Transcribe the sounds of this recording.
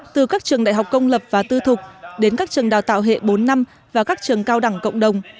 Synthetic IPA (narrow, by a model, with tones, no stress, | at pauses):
t̪ɨ˨˩kaː˦˥k̚t͡ɕɨ˨˩əŋɗa̰ː˧˨jɦa˨˩k͡p̚kə˧wŋ͡mlə˨˩p̚vaː˨˩t̪ɨ˧t̪ʰʊ˨˩k͡p̚ɗe˨˦nkaː˦˥k̚t͡ɕɨ˨˩əŋɗa̰ː˨˩wt̪a̰ː˧˨wɦḛ˧˨ɓo˨˦nːa˧m | vaː˨˩kaː˦˥k̚t͡ɕɨ˨˩əŋkaː˧wɗa˧˩ŋkə̰˧˨wŋ͡mɗə˨˩wŋ͡m